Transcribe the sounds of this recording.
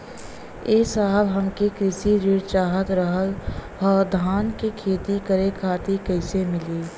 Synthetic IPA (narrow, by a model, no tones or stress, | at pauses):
eːsaːlɦɐmkikɾɪʃiɾɪɽt͡ʃaːɦət̪ɾəɦəlɦɔːd̪ʱaːnkikʰeːt̪ikəɾekʰaːt̪ikɐɪsemɪliː